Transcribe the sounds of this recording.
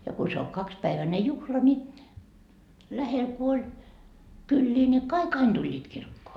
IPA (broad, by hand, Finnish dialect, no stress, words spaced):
jɑ ku se o kɑkspæiʋæne juhlɑ ni læhel ku olʲ kylːiː ni kɑik ɑin d̥ulʲːiːt kirkːoː